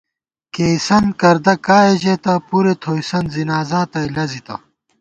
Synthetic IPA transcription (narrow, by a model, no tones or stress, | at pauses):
keːsɐnkɐɾd̪ɐkaːed͡ʑet̪ɐpuɾet̪ʰoːjsɐnzinaːzaːt̪ɐilɐzit̪ɐ̰